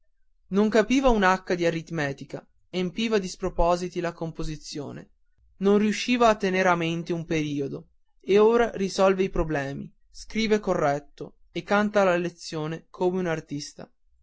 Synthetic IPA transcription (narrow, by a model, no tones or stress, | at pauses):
noŋkapiːvaunakːad̪iarit̪mɛːt̪ika̰ | empiːvad̪ispɾopɔːzit̪ilakompozit̪sːjo̰ːnḛ | nonriuʃːiːvaːt̪ːeneɾament̪eumpeɾiːod̪o | eoːɾaɾisɔlveipɾoblɛːmḭ | skɾiːvekorːɛt̪ːo | ekːant̪alalet̪sːjoːnekʰoːmeunart̪ist̪a̰